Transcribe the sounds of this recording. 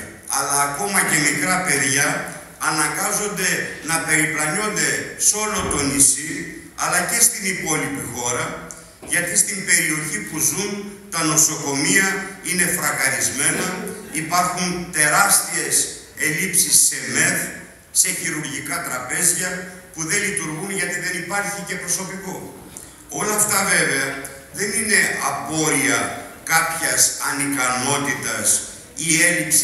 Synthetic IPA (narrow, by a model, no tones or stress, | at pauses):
ɐlɐːko̞mɐce̞mikɾɐpe̞ðʝɐː | nɐŋɡɐzo̞nd̪e̞nɐpe̞ɾiplɐno̞nd̪e̞so̞lo̞t̪o̞nisi | ɐlɐce̞st̪inipo̞lipixo̞ɾɐ | ʝɐt̪ist̪imbe̞ɾio̞çipuzunt̪ɐno̞so̞ko̞miɐine̞fɾɐɣɐɾizme̞nɐipɐɾxunt̪e̞ɾɐst̪ie̞s | e̞lipsisːe̞me̞θ | se̞çiɾuɾʝikɐt̪ɾɐpe̞zʝɐpuðe̞lit̪uɾɣunʝɐt̪iðe̞nipɐɾçice̞pɾo̞so̞piko̞ | o̞lɐːft̪ɐve̞ve̞ɐ | ðe̞nine̞ɐpo̞ɾiɐkɐpçɐsɐnikɐno̞t̪it̪ɐs | ie̞lips